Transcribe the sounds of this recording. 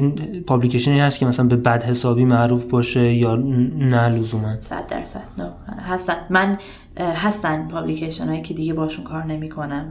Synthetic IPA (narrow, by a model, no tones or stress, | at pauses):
pʰɒblicʰeʃoniːnhæst̪kʰʲemæsælænbe̞bæd̪he̞sɒːbiːmæʔɾuːfbɒːʃe̞jɒːnælozuːmænsæ̰d̪̚ːæ̰ɾsæ̰d̪̥nohæst̪ænd̪mæn | ɦæst̪ænd̪pʰɒblicʰeʃenɒːjiːcʰe̞d̪iɡebɒːhʃunkʰɒːɾne̞miːkʰo̞næm